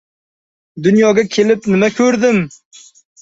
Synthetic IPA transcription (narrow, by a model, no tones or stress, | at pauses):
d̪ʊnjɒɡʲakʲʰelɪpnɪmakʲʰɵɾd̪ɪm